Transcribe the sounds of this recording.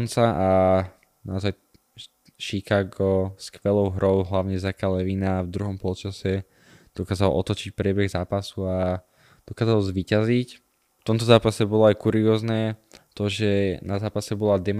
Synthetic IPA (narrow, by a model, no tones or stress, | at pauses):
nt͡saʔa | na̰ɔzaj | ʃikaːɡɔskʋɛlɔʊɦɾɔʊɦlaʊɲɛzakalɛʋiːnavd̪ɾuɦɔmpɔlt͡ʃasɛ | d̪̥ɔkaːzalʔɔ̰t̪ɔt͡ʃic̚pɾɪɛbɛɣzaːpasua | d̪̥ɔkaːzalzʋiːcazic | ft̪ɔmt̪ɔzaːpasɛbɔlɔajkuɾiɔːznɛːt̪ɔʒɛnazaːpasɛbɔlad̪ɛm